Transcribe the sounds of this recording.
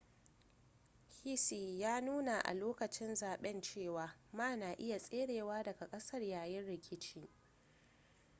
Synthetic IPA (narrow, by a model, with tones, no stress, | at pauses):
hi˦si˨jaː˦nuː˦na˨ʔa̰˨loː˦kɐ˨t͡ʃɪ˦nzaː˨ɓɛ˦nt͡ʃeː˦˨waː˨maː˦˨naː˨ʔɪ˦ja˨sʼeː˦ɽeː˨waː˦dɐ˨ɡa˨kʼɐ˦sɐ˦rjaː˨jɪ˦nɽɪ˨kʲʰɪ˦t͡ʃiː˦